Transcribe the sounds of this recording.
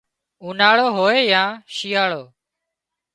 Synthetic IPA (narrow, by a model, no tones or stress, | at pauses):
uːnaːɭoːɦoːeːjãːʃiːaːɭoː